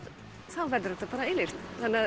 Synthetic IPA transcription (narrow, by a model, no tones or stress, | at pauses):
θawvɛɾd̪ʏɾɛht̪ːapaːɾaelɪr̥t̪anːa